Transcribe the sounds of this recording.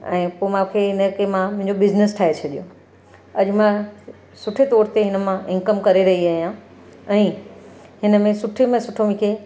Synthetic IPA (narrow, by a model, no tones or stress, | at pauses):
ɛ̰̃ːpoːmãkʰeɦɪnəkemãmʊ̃ɦɪ̃ɲd͡ʑobɪznɪsʈʰaːɦet͡ɕʰɐɗijo | ɐʄmã | sʊʈʰet̪ɔːɾt̪eɦɪnə̆mãʔɪ̃nkəmkɐɾeɾɐɦiaːɦijã | ɛ̃ːɦɪnəmẽsʊʈʰemẽsʊʈʰomẽkʰe